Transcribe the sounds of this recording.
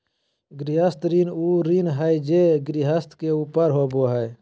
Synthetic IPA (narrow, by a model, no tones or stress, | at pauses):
ɡɾiɦəst̪ɾinuɾinɦəjd͡ʒeɡɾiɦəst̪keupəɾɦoboɦəj